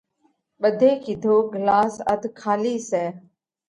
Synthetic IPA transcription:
ɓəd̪ʱeːkɪd̪ʱoːɡəlaːsə̰d̪ʱkʰaːliːsɛː

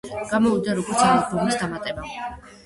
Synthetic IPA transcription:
ɡ̥amɔud̪aɾɔɡɔɾt̪sʰaχalpʰɔmisd̪amat̪ʼɛba

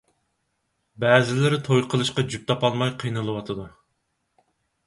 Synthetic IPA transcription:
bɛːzɪlɪɾɪt̪ʰojqʰəlˠɨʃqɑd͡ʒyp̚t̪ʰɑpɑlˠmɑjqʰijnɨlˠɨwɑt̪ʰɨd̪u

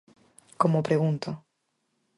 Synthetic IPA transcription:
komopɾeɣũnt̪o

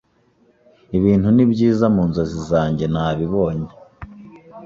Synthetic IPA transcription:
iβiːnhunibɟiːzamuːnzozizaːɲɟe̞naːβiβoːɲe

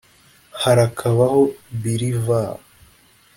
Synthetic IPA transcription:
haɾakʰaβaho̞βiɾiva

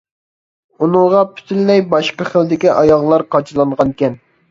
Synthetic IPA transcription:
unɨŋʁɑpʰy̥t̪ʰylːɛjbɑʃqəχəld̪ɪkʲiʔɑjɑʁlˠɑɾqʰɑt͡ʃʰɨlˠɑɴʁɑnkʲɛn

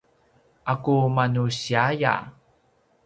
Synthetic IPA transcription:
ʔakumanuɕiaja̰

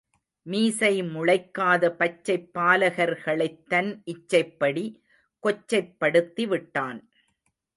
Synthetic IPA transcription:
miːsɐɪmʊɻɐɪkːaːðɐpɐt͡ʃːɐɪpːaːlɐɣɐɾɣɐɭɐɪt̪ːɐnʔɪt͡ʃːɐɪpːɐɽi | kɔt͡ʃːɐɪpːɐɽɯt̪ːiʋɪʈːaːn

